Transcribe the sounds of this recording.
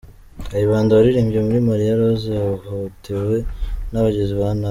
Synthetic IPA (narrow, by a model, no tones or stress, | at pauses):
hajiβaːndaβaɾiɾiːmbɟemuɾimaɾijaɾoziauhautʰewe̞naβaɟeziβana